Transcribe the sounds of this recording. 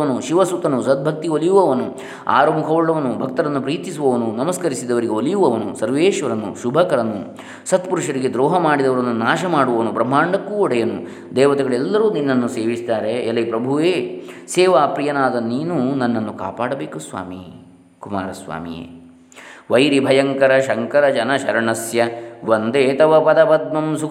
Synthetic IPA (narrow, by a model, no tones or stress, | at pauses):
ɐnuʃiʋɐsut̪ɐnusɐt̪̚bʱɐk̚t̪iolijuʋɐʋɐnu | a̰ːɾɐmukʰɐʋuɭːɐʋɐnːubʱɐk̚t̪ɐɾɐnːupɾiːt̪isuʋɐʋɐnunɐmɐskɐɾisid̪ɐʋɐɾiɡeolijuʋɐʋɐnusɐɾʋeːʃʋɐɾɐnːṵʃubʱɐkɐɾɐnːṵ | sɐt̪puɾuʂɐɾiɡed̪ɾɔːɦɐmaːɽid̪ɐʋɐɾɐnːunaːʃɐmaːɽuʋɐʋɐnubɾɐm̤ːaːɳɖɐkːuɔɽɐjɐnṵ | d̪ɛːʋɐt̪ɛɡɐɭɛlːɐɾuːninːɐnːuseːʋist̪aːɾe̞ːlɐjpɾɐbʱuʋeːseːʋaːpɾijɐnaːd̪ɐniːnunɐnːɐnːuka̰ːpaːɽɐbeːkusʋa̰ːmḭ | kumaːɾɐsʋa̰ːmḭjḛː | ʋɐjɾibʱɐjɐŋkɐɾɐʃɐŋkɐɾɐd͡ʒɐnɐʃɐɾɐɳɐsjɐʋɐnd̪eːt̪ɐʋɐpɐd̪ɐpɐd̪̚mɐmsukʰ